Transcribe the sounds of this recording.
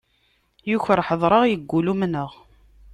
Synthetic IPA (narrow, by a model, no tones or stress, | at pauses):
juçəɾħəðˤɾˤəʁjəɡːulumnəʁ